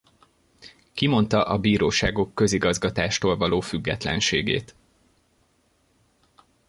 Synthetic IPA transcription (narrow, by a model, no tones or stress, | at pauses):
kimo̞nt̪ɒʔɒbiːɾoːʃaːɡo̞kːø̞ziɡɒzɡɒt̪aːʃt̪oːlvɒloːfyɡːɛ̰t̪lɛ̰nʃḛːɡḛːt̪